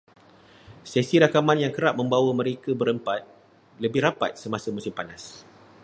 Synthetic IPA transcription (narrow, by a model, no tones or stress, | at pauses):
sɛsiɾakamãnjaŋkəɾap̚mə̃mbawəmə̃ɾekəbəɾəmpat̪̚ | ləbɪhɦɾapa̰t̪̚səmasəmũsimpanas